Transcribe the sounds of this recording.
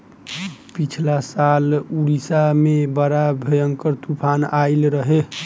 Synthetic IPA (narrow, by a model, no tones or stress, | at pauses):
pit͡ʃʰlasaluɾisamebəɾabʱejəŋkəɾt̪upʰanailɾəɦe